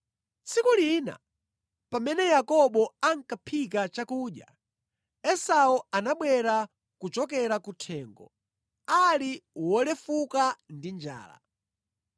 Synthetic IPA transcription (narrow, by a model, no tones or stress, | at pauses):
t͡sikuliːna̰ | pamɛnɛjakɔɓɔaŋkapʰikat͡ʃakuːɗja̰ | ɛsaɔanaɓwɛɾa | kut͡ʃɔkɛɾakutʰɛːŋɡɔ̰ | aliwɔlɛfukandind͡ʒa̰ːla̰